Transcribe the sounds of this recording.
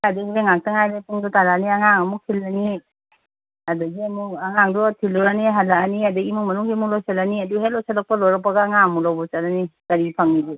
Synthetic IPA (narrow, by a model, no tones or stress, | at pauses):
kadaeŋak̚taŋajɾepuŋdutalaniaŋaŋɐmukʰilːani | ɐdaɡiɐmuɐŋaŋdɔtʰilɔɾaniɦalaaniadɯimumɐnuŋɡimulɔjsalaniɐduɦelɔjsalɔk̚palɔɾapaɡaŋamulawbɔt͡ʃalanikɐɾipʰaŋnibi